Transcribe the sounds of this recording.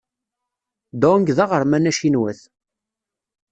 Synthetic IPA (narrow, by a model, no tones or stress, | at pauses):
d̪oŋɡðɑʁəɾˤmænæʃinwæθ